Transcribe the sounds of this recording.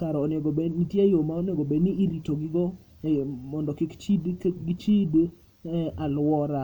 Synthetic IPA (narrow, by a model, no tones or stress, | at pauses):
kaɾɔːnɪɔɡobenitjejomaonjɔɡobeniiɾitoɡɪɡɔ | mɔndɔkɪkt͡ʃidɡit͡ʃid | alwɔɾa